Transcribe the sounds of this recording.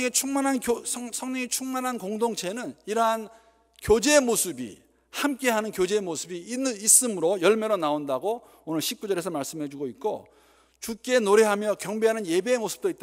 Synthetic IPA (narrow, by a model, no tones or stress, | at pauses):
ŋet͡ɕʰuŋmanɦankosʰʌŋɲʌŋet͡ɕʰuŋmanɦankoŋdoŋt͡ɕʰe̞nɯniɾʌɦan | kjod͡ʑe̞mosʰɯbḭ | hamk͈e̞ɦanɯnkjod͡ʑe̞ːmosʰɯbiis͈ɯmɯɾojʌɭmeɾonaondaɡo | onɯɭɕʰip̚k͈ud͡ʑʌɾe̞sʰʌmaɭs͈ɯmhe̞d͡ʑuɡoit̚k͈o̰ | t͡ɕukk͈e̞noɾe̞ɦamjʌkjʌŋbeɦanɯnje̞beːmosʰɯ̥p̚t͈oit͈̚a